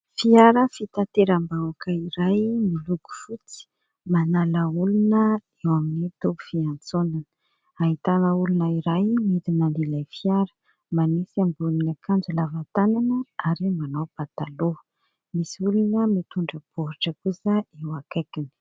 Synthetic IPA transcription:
fiaɾəfit̪at̪eɾambawakəiɾajmiluɡu̥fut͡si̥ | manaləulunə | ewaminit̪obu̥fiant͡sonan | aɦit̪anəulunəiɾajmit̪imanilajfiaɾə̥ | manisiambulinakʰand͡zulavat̪ananəaɾimanawb̥at̪alo | misiulunəmit̪uɳɖ͡ʐəb̥oɾiʈ͡ʂəkusəewakajkini̥

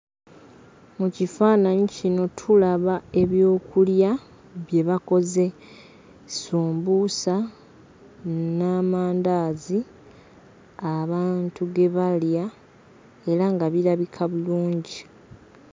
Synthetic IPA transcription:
mucifaːnaɲicino̞tʰulaβae̞βjo̞ːkʰulja | βje̞βako̞ze̞ | suːmbusa | namaːndaːzi | aβaːntuɡe̞βalja | e̞ɾaŋɡaβiɾaβikʰaβuluːɲɟi

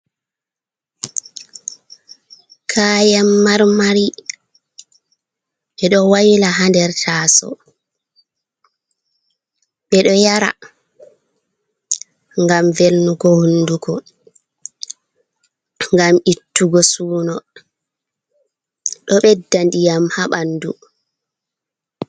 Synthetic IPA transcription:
kʰaːjamːaɾmaɾi | ɓɛɗɔwajlaɦandɛɾtʰaːsɔ̰ | ɓɛɗɔjaɾa̰ | ŋɡamvelnukɔhundukɔ | ŋɡamitːuɡɔsuːnɔ | ɗɔɓɛdːandijamhaɓandu

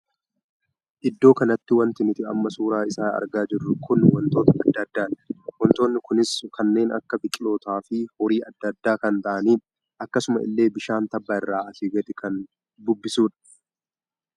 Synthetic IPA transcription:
ʔɪd̪ːo̞ːkɐnɐt̪ːɪwɐnt̪ɪnɪt̪ɪɐmːɐsuːɾaːɪsaːɐ̰ɾɡaːd͡ʒɪrːʊkʊnwɐnt̪o̞ːt̪ɐɐd̪ːɐd̪ːaːnwɔnt̪o̞ːnːɪkʊnɪskɐnːe̞ːnɐ̰kːɐbɪkʼɪlo̞ːt̪aːfɪhɔɾiːʔɐd̪ːɐd̪ːaːkɐnt̪ɐʔɐniː | ʔɐkːɐsʊmɐʔɪ̰lːe̞ːbɪʃaːnt̪ɐbːaːɪrːaːɐfiːɡɐt̪ʼɪkʰɐn | d̪ʊbːɪsuːᶑɐ̥

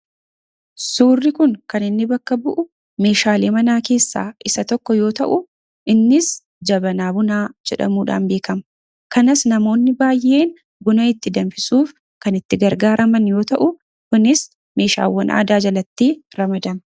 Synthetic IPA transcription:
suːrːɪkʊŋkɐnɪnːɪbɐkːɐbʊʔʊ | me̞ːʃaːleːmɐnaːke̞ːsːa̰ːʔɪsɐt̪ɔkːɔjo̞ːt̪ɐ̰ʔʊ | ʔɪnːɪs | d͡ʒɐbɐnaːbʊnaːd͡ʒɛᶑɐ̰muːᶑa̰ːnbe̞ːkɐm | kɐnɐsnɐmo̞ːnːɪbaːjʔe̞ːn | bʊnɐɪt̪ːɪd̪ɐnfɪsuːf | kɐnɪt̪ːɪɡɐɾɡaːɾʔɐmɐnjo̞ːt̪ɐʔʊ | kʊnɪs | me̞ːʃa̰ːwːɐnʔa̰ːd̪aːd͡ʒɐlɐt̪ːiːɾɐmɐd̪ɐm

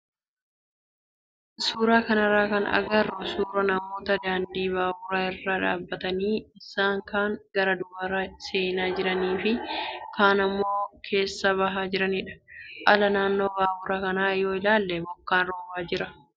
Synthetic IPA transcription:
suːɾaːkɐnɐɾaːkɐnɐ̰ɡɐrɔsuːɾɐnɐmo̞ːt̪ɐd̪aːnd̪iːβaːwʊɾaːɪrːaːᶑaːbːɐt̪ɐniːɪsaːŋkaːŋɡ̥ɐɾɐd̪ʊbɐɾɐse̞ːnaːd͡ʒɪɾɐniːfɪkaːnɐmːo̞ːkʰe̞ːsːɐβɐɦaːd͡ʒɪɾɐnɪᶑɐ̥ʔɐlɐnaːnːo̞ːbaːwʊɾɐkɐnaːjoːɪlaːlːɛbɔkːaːnɾoːbaːd͡ʒɪɾɐ

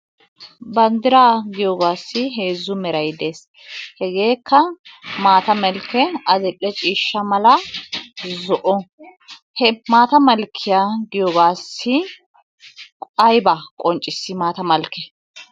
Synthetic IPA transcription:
bɐnd̪ɪɾaːɡɪjoːɡaːsːɪɦe̞ːzːʊmɛɾɐjd̪e̞ːs | hɛɡe̞ːkʰːɐmaːt̪ɐmɛlkːɛɐd̪ɛʔːɛt͡ʃʼiːʃːɐmɐlɐ | zɔʔɔ | hɛmaːt̪ɐmɐlkʰːɪjaːɡɪjoːɡaːsːɪ | kɐjbakʼɔnt͡ʃʼːɪsːɪmaːt̪ɐmɐlkːɛ

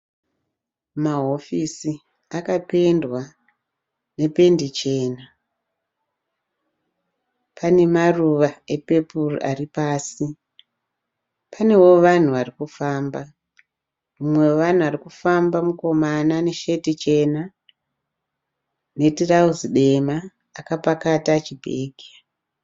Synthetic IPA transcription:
maɦo̞fisi | akape̞ndwa | ne̞pe̞ndit͡ʃe̞ːna | pʰane̞maruʋae̞pe̞purṵʔaripaːsi | pʰane̞wo̞ʋan̤uʋarikufaːmba | mumwe̞ʋan̤uʋarikufambamuko̞manane̞ʃe̞tit͡ʃe̞na | ne̞tirauziɗe̞maː | kapakatat͡ʃibʱḛːɡʱi

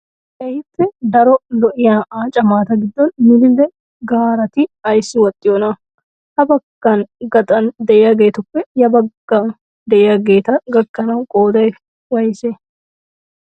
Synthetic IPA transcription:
ʔɛjɪpːɛd̪ɐɾɔlɔʔɪjaːʔaːt͡ʃʼɐmaːt̪ɐɡɪd̪ːɔnmɪd̪ɪlːɛ | ɡaːɾɐt̪ɪɐjsːɪwɔt̪ʼːɪjoːnɐ | hɐbɐɡːɐnɡɐt̪ʼɐnd̪ɛʔɛjɐɡe̞ːt̪ʊpːɛjɐbɐɡːan | d̪ɛʔɪjɐɡe̞ːt̪ɐɡɐkːɐnɐwkʼoːd̪ɐj | wɐjse

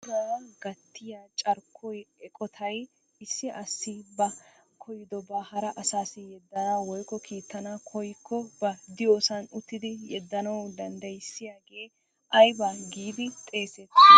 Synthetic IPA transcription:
ɾaːɡɐt̪ːɪjaːt͡ʃʼɐɾkʰːɔjɛkʼɔt̪ʰɐj | ɪsːɪʔɐsːɪbɐ | kʰɔjɪd̪ɔbɐhɐɾɐʔɐsaːsɪjɛd̪ːɐnaːwɔjkːɔkʰiːt̪ːɐnakʰɔjkʰːɔbɐd̪ɪjoːsɐnʊt̪ːɪd̪ɪjɛd̪ːɐnɐwd̪ɐnd̪ɐjɪsːɪjaːɡe̞ː | ʔɐjbaɡiːd̪ɪt̪ʼe̞ːsɛt̪

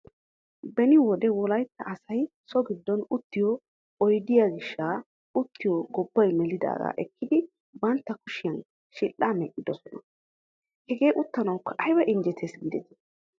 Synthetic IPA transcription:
bɛnɪwɔd̪ɛwɔlɐjt̪ːɐʔɐsɐj | sɔɡɪd̪ːɔnʊt̪ːɪjɔ | ɔjd̪ɪjaːɡɪʃːaː | ʊt̪ːɪjɔɡɔbːɐjmɛlɪd̪a̰ːɡɐ̰ʔɛkːɪd̪ɪ | bɐnt̪ːɐkʊʃɪjɐn | ʃɪlːaːmɛʔʼɪd̪ɔsɔnɐ | hɛɡe̞ːʔʊt̪ːɐnɐwkʰːɐʔɐjbɐʔɪnd͡ʒɛt̪ʰeːsɡɪd̪ɛt̪ɪ̥

